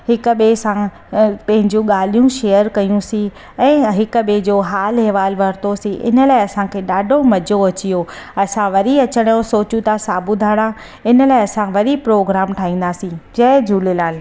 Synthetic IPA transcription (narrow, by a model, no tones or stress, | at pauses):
hɪkɓesã | pɐ̃ɦɪ̃ɲd͡ʑũɠaːl̤ijũʃeːəɾkɐjũsĩ | ɛ̃ːɦɪkɓed͡ʑoːɦaːlɦeːʋaːlʋɐɾt̪osĩʔɪ̰nə̆laːɪɐsãkʰeːɗaːɖʱomɐd͡ʑoɐt͡ɕijoɐsãʋɐɾiɐt͡ɕəɽ̃josoːt͡ɕũt̪ʰasaːbʊd̪ʱaːɽ̃ã | ɪnəlaːɪɐsãʋɐɾipɾoːɡɾaːmʈʰaːɦĩːn̆d̪aːsĩd͡ʑɐːd͡ʑʱuːlelaːl